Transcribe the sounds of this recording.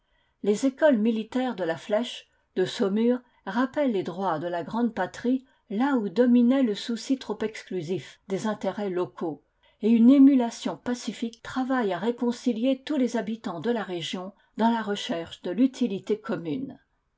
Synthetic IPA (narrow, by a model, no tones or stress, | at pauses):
lezekɔlmilit̪ɛʁd̪əlaflɛʃ | d̪əsɔmyʁ | ʁapɛlːed̪ʁwad̪əlaɡʁɑ̃d̪pat̪χi | laud̪ɔminɛləsusit̪χɔpɛksklyzifd̪ezɛ̃t̪eʁɛlɔkʰo | eynemylasjɔ̃pasifikt̪χavajaʁekɔ̃siljet̪ulezabit̪ɑ̃d̪əlaʁeʒjɔ̃ | d̪ɑ̃laʁəʃɛʁʃd̪əlyt̪ʰilit̪ekʰɔmyn